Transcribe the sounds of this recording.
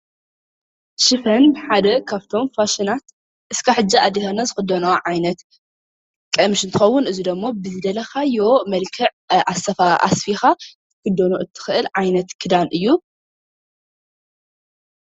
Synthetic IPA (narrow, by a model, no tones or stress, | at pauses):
ʃɨfɐnbɨħad̪ɐkʰaβt̪ʰo̞mfaʃinat̪ | ʔɨskʰaħɨd͡ʒːiʔad̪ːit̪ʰanːazɨxɨd̪ːonaʕajnɐt̪ | kʼɐmʃɨnt̪ʰɨxɐwːʊnɨzid̪ɐmːobɨzɨd̪ɐlɐxajomɐlkʰɨʕʔasɐfaa̰sfixa | kɨd̪ːonoʔɨt̪ʰːɨ̥xɨʔɨlʕajnɐt̪kʰɨd̪anʔɨjːu